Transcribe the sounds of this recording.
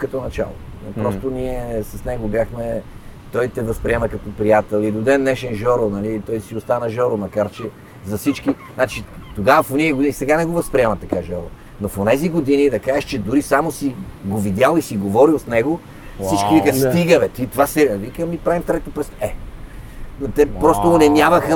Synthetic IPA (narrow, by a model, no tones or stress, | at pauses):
kɐt̪ɔnɐt͡ʃa̰lˠo̰pɾɔst̪oniɛsɐsnɛɡobjaxmɛt̪ɔjt̪ɛvɐspɾiɛmɐkɐt̪opɾijat̪ɛlˠid̪od̪ɛnːɛʃɛnʒɔɾonɐlit̪ɔjsiʊst̪anɐʒɔɾomɐkaɾt͡ʃɛ | zɐfsit͡ʃkiznat͡ʃit̪oɡavəfoniɛɡʊd̪inisɛɡanɛɡovɐspɾiɛmɐt̪ɐkaʒɔɾo̰ | nofonɛziɡod̪inid̪ɐkaɛʃt͡ʃɛd̪uɾisamosiɡovid̪ʲjalˠisiɡovɔɾilˠsnɛɡo | ssit͡ʃkivikəst̪iɡəvɛt̪it̪vasɛvikəmipɾavimft̪ɾɛt̪opɾɛst̪ɛ | not̪ɛpɾɔst̪onɛnjavɐxə